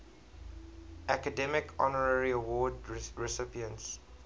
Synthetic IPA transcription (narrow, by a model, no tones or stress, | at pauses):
ʔækədɛmɪkʰɔ̰nəɹəɹiəwɔːdɹɛsɪpiə̃nts